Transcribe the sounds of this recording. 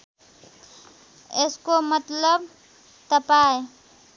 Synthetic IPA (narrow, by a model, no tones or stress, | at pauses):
eskomət̪ləb̚ | t̪əpae